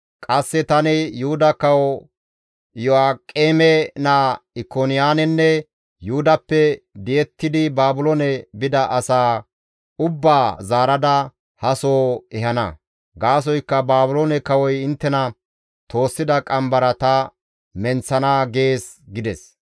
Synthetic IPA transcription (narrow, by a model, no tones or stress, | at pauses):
kʼɐsːɛt̪ɐnɪjʊhʊd̪ɐkɐwɔ | jɔaːkʼːeːmɛnaɪkonɪjaːnɛnːɛ | juʊd̪ɐpːɛd̪ɪjɛt̪ːɪd̪ɪbaːbʊloːnɛbɪd̪ɐʔɐsaː | ʊbːaːzaːɾɐd̪ɐ | hɐsoːɛhɐnɐ̰ | ɡaːs̬ɔjkːɐbaːbʊloːnɛkɐwɔjɪnt̪ːɛnɐ | t̪o̞ːsːɪd̪ɐkʼɐmbɐɾɐt̪ɐ | mɛnt͡sːɐnaːɡe̞ːs | ɡɪd̪ɛs